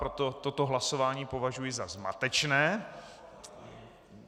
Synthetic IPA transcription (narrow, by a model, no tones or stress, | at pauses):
ɾot̪ot̪o̞t̪oɦlaso̞vaːɲiːpo̞vaʒujɪzazma̰t̪ɛt͡ʃnɛː